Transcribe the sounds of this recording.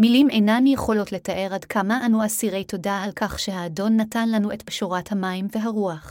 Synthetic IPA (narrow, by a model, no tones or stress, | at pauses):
milimenanjeχo̞lo̞tle̞taʔe̞ʁadkʰamaʔanuasiʁe̞jto̞daɦalkaχʃeɦaːdo̞nːatanlanuetbʃoʁathamaimveɦaʁuaχ